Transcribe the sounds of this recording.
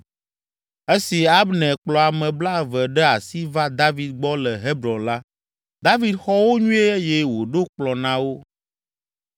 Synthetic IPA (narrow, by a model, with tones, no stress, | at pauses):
e˦si˨a˦bnɛ̃˨k͡plɔ˨a˨mɛ̃˨bla˦˨vɛ˨ɖɛ˦a˨si˦va˦d̪a˦vi˨d̪̚ɡ͡bɔ˦lə˨ɦe˦bɾɔ̃˨nla˦ | d̪a˦vi˨˦d̪xɔ˦wo˦ɲũ˦e˦e˦jɛ˦wo˨ɖo˦k͡plɔ˨nã˨wo˦